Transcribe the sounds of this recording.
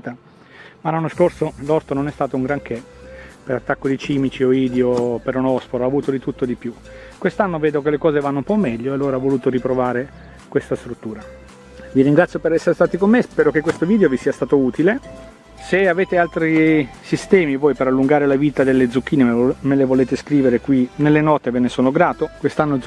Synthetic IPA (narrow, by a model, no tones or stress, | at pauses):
t̪a | malːanːoskorsolɔrt̪ononɛst̪aːt̪ouŋɡɾaŋke | peɾat̪ːakːod̪it͡ʃiːmit͡ʃioiːd̪eopeɾonɔspoɾaːvuːt̪od̪it̪ut̪ːod̪ipju | kwest̪anːoveːd̪okelekɔːzevanːoumpɔmːɛʎːoealːoːɾaavːoluːt̪oɾipɾovaːɾe | kwest̪ast̪ɾut̪ːuːɾa | viɾiŋɡɾat̪sjopeɾɛsːeɾest̪aːt̪ikomːespɛːɾok̟ekːwest̪oviːd̪eovisiːast̪aːt̪ouːt̪ile | seaveːt̪ealt̪ɾisist̪ɛːmivoːjpeɾalːuŋɡaːɾelaviːt̪ad̪elːed̪zuk̟ːiːnemmelevoleːt̪eskɾiːveɾekwinelːenɔt̪evenesoːnoɡɾaːt̪okwest̪anːoz